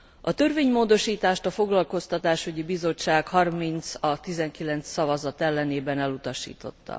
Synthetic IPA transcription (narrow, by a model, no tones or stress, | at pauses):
ɒt̪ø̞rveːɲmoːd̪o̞ʃiːt̪aːʃt̪ɒfo̞ɡlɒlko̞st̪ɒt̪aːʃyɟibizo̞t͡ʃːaːkhɒrmint̪sɒt̪izɛŋkilɛnt̪sːɒvɒzɒt̪ɛlːɛneːbɛnɛlut̪ɒʃḭːt̪o̞̰t̪ːɒ̰